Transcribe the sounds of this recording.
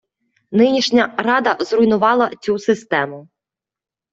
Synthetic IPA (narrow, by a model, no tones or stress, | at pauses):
nɪnʲiʃnʲɐɾɑd̪ɐzrʊjnʊʋɑlˠɐt͡sʲusɪst̪ɛmʊ